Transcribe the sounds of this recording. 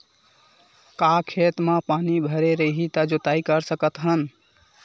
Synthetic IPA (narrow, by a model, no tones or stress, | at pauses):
kakʰet̪mãpanibʱəɾeɾəɦit̪əd͡ʒot̪aikəɾsəkət̪ɦən